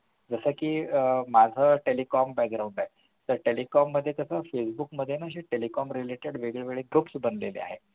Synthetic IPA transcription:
d͡zəsəkiːmad͡zʱəːʈelikɔmbæk̚ɡɾaũɳɖaɦe | t̪əɾʈelikɔmːəd̪ʱːjek̪əsəfesbukməd̪ʱːjenaəɕiʈelikɔmɾileʈeɽʋeɡɭeʋeɭeɡɾupsbənlelḛa̰ɦḛ

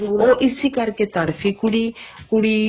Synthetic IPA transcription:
uɾoʔisikaɾket̪aɽfikuɽikuɽi

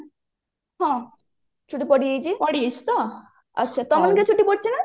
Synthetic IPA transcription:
ɦɔ̃ | t͡ɕʰuʈipoɽijejt͡ɕʰipoɽijet͡ɕʰi̥t̪o | a̰tːɕʰat̪ɔmonket͡ɕʰuʈipoʈ̚t͡ɕʰina

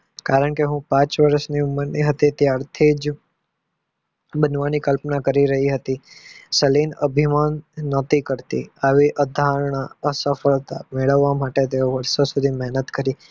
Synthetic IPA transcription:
kaɾəɳkeɦũpãt͡ʃʋəɾəʃniʊməɾniɦət̪it̪jaɾt̪ʰid͡ʒ | bənʋanikəlpnakəɾiɾəɦiɦət̪isəlinə̰bʱimanːət̪ikəɾt̪ḭaʋiʔəd̪ʱaɾɳ̃aəsəfəɭt̪a̰meɭəʋːamaʈet̪eoʋəɾsosud̪ʱimɛɦnət̪kəɾi

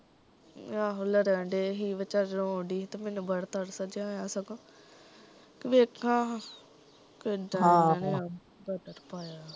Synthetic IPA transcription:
ãːɦʊləɾɛ̃ːɳɖeːɦiːʋət͡ʃaːɾɾõːɳɖiːt̪emɛ̃ːnũːbəɽt̪əɾsəd͡ʒjãːjaːsəɡõː | kɪʋekʰːãː | kɪɖãnːa | bəd̪əɾpaːjaː

